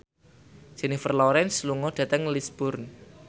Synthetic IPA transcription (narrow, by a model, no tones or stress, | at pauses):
ʒ̥ɛ̤nifərlɔɾɛnsluŋɔɖ̪̥ä̤t̪əŋlisb̥ʊrn